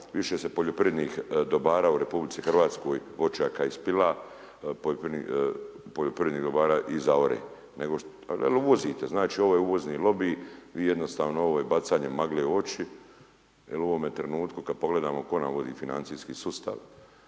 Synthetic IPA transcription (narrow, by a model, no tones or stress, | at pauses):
ʋiʃesepoʎopiɾed̪niːxd̪obaːɾaːuɾe̞publitsixr̩ʋaːt̪sko̞ːjʋo̞t͡ʃjaːkaispila | poopipoʎopɾiɾed̪niːɣd̪o̞baːɾaːʔizaoɾḛː | neɡo | ḛluʋo̞ziːt̪eznaːt͡ʃiːoʋoːjeuʋo̞zniːlo̞biːʋiːje̞d̪no̞st̪aːʋnooʋoːjebat̪saːɲemaɡleːo̞t͡ʃi | jeluoʋo̞mjet̪ɾenuːt̪kukad̪̚po̞ɡle̞d̪aːmoko̞namʋod̪iːfina̰nt̪siːskiːsust̪a̰ʋ